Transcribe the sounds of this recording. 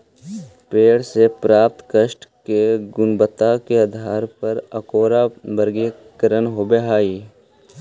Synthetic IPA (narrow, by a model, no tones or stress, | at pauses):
peːɽsepɾaːp̚t̪kəʃʈkeɡʊnbət̪ːakeəd̪ʱaːɾpəɾəkoːɾabəɾɡe | kəɾənɦobeɦaːiː